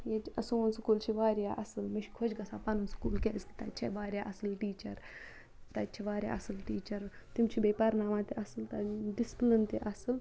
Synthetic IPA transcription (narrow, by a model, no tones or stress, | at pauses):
jet͡ʃɐsuunskuːlt͡ʃʰiʋaːɾjaːʔɐsɨlmiʃʰkʰod͡ʒʲɡɐsaːpɐnɨnskuːlkʲeːsk̪i̥t̪ɐ̰t͡ʃʰeʋaːɾʲjaːʔɐsɨlʈiːt͡ʃɐɾ | t̪ɐt͡ʃʰeʋaːɾʲja̰ːʔɐsɨlʈiːt͡ʃɐɾt̪imt͡ʃʰibeːpɐɾnaːmaːt̪eʔɐsɨlt̪ɐɖisplɨnt̪eʔɐsɨl